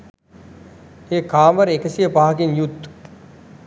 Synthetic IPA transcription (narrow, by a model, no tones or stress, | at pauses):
eːkʰaːmɐɾekɐsijɐpaːkinjut̪ː